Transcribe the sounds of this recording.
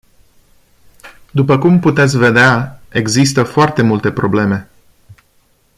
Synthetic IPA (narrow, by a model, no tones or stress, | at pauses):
d̪upəkumput̪e̞t̪sʲve̞d̪eae̞ɡzist̪əfoart̪e̞mult̪e̞pɾo̞ble̞me̞